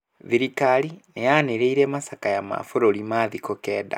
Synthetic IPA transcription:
ðiɾikaɾinejaneɾeiɾɛmasakajama̰foɾoɾimaðikokɛːda̰

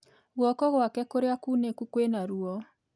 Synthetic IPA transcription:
ɣwɔkɔɣwakɛkoɾeakunekukwenaɾuɔ

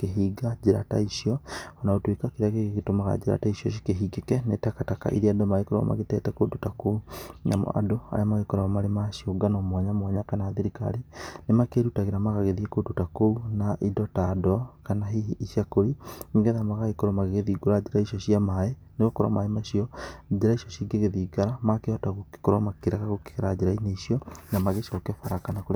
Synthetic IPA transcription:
keɦiːɡad͡ʒiɾa̰ta̰iʃiɔɔnaotwekakiɾaɣeeɣetomaɣa̰d͡ʒiɾa̰taiʃiɔʃ̬i̥keɦiɡekɛnetɛkataka̰ʔḭɾiadomaɣekoɾoa̰mʔa̰ɣetɛtɛkodutakoɲa̰mo̰ʔa̰doa̰ɾeamaɣekɔɾamaɾemaʃioɡanomwaɲamwaɲakanaːðeɾika̰ɾinemakeɾutaɣeɾamaɣaɣeðiekodutakounaʔidɔtadɔkanaɦiiʃjakoɾiniŋɡeðamaɣaɣekoɾomaɣeɣeðiɡoɾad͡ʒeɾaiʃɔɕiamae | neɣokoɾa̰maemaʃiɔd͡ʒeɾaiʃɔʃiɡeɣeðiːɡaɾamakeɔtaɣo̥koɾɔmakeɾaɣaɣoke̥ɣeɾad͡ʒeɾaineiʃiɔnamaɣeʃɔkefaɾakanakoɾ

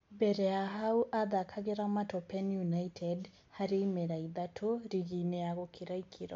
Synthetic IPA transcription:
bɛɾɛaɦauʔaðakʰaɣeɾamatɔpɛnjunaitʰɛd | haɾeimɛɾaiðatʰoɾiɣinɛaɣɔkʰiɾaikʰiɾɔ̰

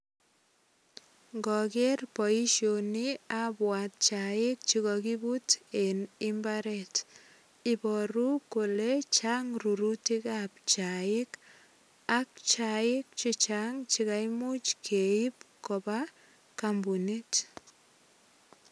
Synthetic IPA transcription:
ŋɡɔkɛrpɔiʃjoniabwat̚t͡ʃaɪk̚t͡ʃiɣɔkibutenimbaɾɛt | ibɔɾukolet͡ʃaŋruɾutikap̚t͡ʃaɪk | ak̚t͡ʃaɪk̚t͡ʃit͡ʃaŋt͡ʃikajmut͡ʃkʰeip̚koba | kambunit

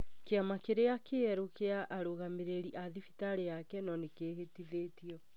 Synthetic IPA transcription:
keamakeɾeakeɛɾokeaʔaɾoɣameɾeɾiʔaðifitaɾejakɛnɔnekeːɦetiðeːtiɔ

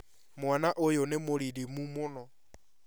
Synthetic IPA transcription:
mwanaʔojonɪmʊlidimumʊnɔ

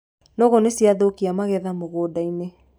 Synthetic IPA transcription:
nɔɣɔnesiaðokiamaɣɛðamoɣoːdaine

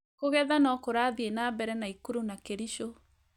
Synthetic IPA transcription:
koɣɛðanɔkoɾaðienabɛɾɛnaikuɾunakeɾiʃo

